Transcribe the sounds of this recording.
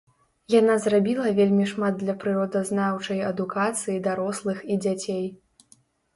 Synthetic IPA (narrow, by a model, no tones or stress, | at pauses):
janazrabʲilˠɐvʲelʲmʲiʂmad̪̚d̪lʲɐpɾɨɾɔd̪ɐznawt͡ʂɐjɐd̪ukat̪sɨjid̪aɾɔslˠɨxid͡zʲat͡sʲej